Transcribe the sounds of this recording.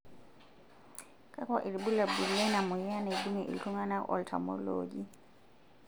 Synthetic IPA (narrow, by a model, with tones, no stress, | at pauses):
kʼa˦kɔ˨ʔi˨ɾi˨bu˦la˨bu˨lɛ˦na˨mu˨ja˦na˨du˦mɛ˨ʔḭ˨ɬu˦ŋa˦na˦ʔɔ̰˦ltʰa̰˨mɔ̰˦lo̰ɟi˦